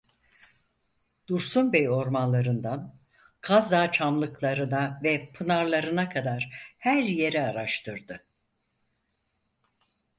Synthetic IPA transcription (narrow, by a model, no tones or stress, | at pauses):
d̪̥uɾsunbejo̞ɾmanlˠaɾɯnd̪an | kʰazd̪aːt͡ʃʰamlˠɯklˠaɾɯnavɛpʰɯnaɾlˠaɾɯnakʰad̪aɾ̥hæɾje̞ɾɛaɾaʃt̪ʰɯɾd̪ɯ